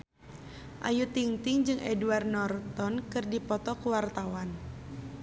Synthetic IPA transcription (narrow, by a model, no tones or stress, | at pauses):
ʔa̰jut̪iŋt̪ɪŋd͡ʒɨŋʔɛduarnɔrt̪ɔnkɨrdipɔt̪ɔkuwart̪awan